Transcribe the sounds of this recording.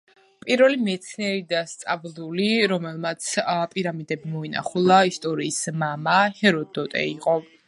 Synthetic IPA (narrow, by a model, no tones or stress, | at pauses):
pʼiɾvɛlimɛt̪sʰniɛɾid̪ast̪sʼavlˠuliɾɔmɛlˠmat̪sʰpʼiɾamid̪ɛbimɔina̰χulˠaist̪ʼɔɾiːsmamahɛɾɔd̪ɔt̪ʼɛ̰iqʼɔ